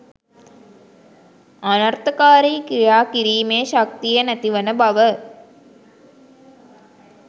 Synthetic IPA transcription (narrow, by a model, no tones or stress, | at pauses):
ɐnɐrt̪ɐkaːɾiːkɾijaːkiɾiːmeːʃɐk̚t̪ijɐnɐt̪iʋɐnəbɐʋə